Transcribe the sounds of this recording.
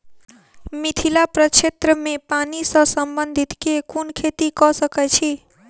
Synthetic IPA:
mit̪ʰilapɾət͡ʃʰet̪ɾəmepanisə̃səmbənd̪ʱit̪kekunkʰet̪ikɔsəkɛt͡ʃʰi

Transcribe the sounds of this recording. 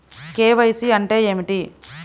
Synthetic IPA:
keːʋɐjsiɐɳʈe̞ːeːmiʈi

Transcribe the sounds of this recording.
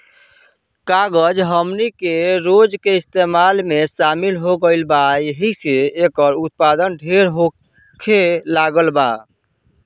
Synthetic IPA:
kaɡəd͡ʒɦəmnikeɾod͡ʒkeist̪emalmesamilɦoɡəɪlbajəɦiseːkəɾut̪̚pad̪ənɖʱeɾɦo | kʰelaɡəlba̰

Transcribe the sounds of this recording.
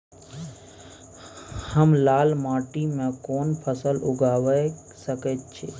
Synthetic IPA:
həmlaːlmaːʈimẽkoːnpʰəsəlʊ̰ɡaːʋə | səkət̪̚t͡ʃʰḛː

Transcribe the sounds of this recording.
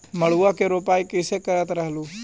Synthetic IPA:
məɭ̤uakeɾoːpaːikɪsekəɾət̪ɾəɦluː

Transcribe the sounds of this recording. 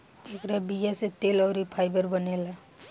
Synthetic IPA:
ekɾabijaset̪eːlɔːɾipʰaɪbəɾbəneːla

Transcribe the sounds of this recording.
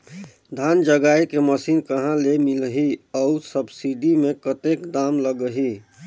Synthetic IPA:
d̪ʱaːnd͡ʒəɡaːikeməsiːnkəɦãlemɪlɦiɔʊsəbsiɖimẽkət̪ekd̪aːmləɡəɦi

